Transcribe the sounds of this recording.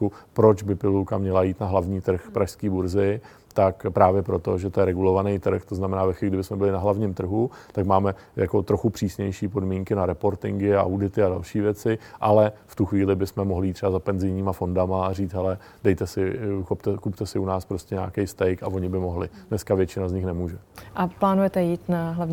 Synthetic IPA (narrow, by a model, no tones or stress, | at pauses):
upɾo̞t͡ʃbɪpɪlulkamɲɛlajiːt̪naɦlavɲiːt̪r̩xpɾʔaʃskiːbuɾzɪ | t̪akpɾaːvjɛpɾo̞t̪o̞ʒɛt̪ojɛɾɛɡulo̞vanɛjt̪r̩xt̪o̞znamɛnaːvɛxfiɪɡdɪbɪsmɛbɪlɪnaɦlavɲimt̪r̩ɦut̪akmaːmɛ | jako̞t̪ɾo̞xupr̥iːsɲɛjʃiːpo̞dmiːŋkɪnaɾɛpo̞ɾt̪ɪŋɡɪaʔa̰wdɪt̪ɪadalʃiːvjɛt͡sɪʔalɛft̪uxviːlɪbɪsmɛmoɦlɪjiːt̪ːr̥ɛbazapɛnzɪjɲiːmafo̞ndamaːriːt͡sɦɛlɛ | dɛjt̪ɛsɪxopt̪ɛkupt̪ɛsɪunaːspɾoscɛɲa̰ːkɛjst̪ɛjkavo̞ɲɪbɪmo̞ɦlɪdnɛskavjɛt͡ʃɪnazɲɪxnɛmuːʒɛ | ʔaplaːnujɛt̪ɛjiːt̪naɦlavɲ